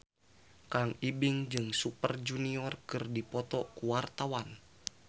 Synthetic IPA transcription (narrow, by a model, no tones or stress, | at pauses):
kaŋibiŋd͡ʒɨŋsupərd͡ʒuniɔrkɨrdipɔt̪ɔkuwart̪awan